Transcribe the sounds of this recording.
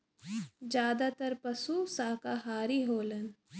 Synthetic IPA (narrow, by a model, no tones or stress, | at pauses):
d͡ʒjaːd̪at̪ɐɾpɐsusaːkaɦaːɾiɦoːlən